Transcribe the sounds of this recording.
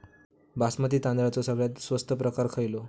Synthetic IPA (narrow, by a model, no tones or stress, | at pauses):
basmat̪iːt̪ãnd̪ɾat͡sɔsəɡɭjat̪sʋəst̪ʰəpɾəkaɾkʰəjlo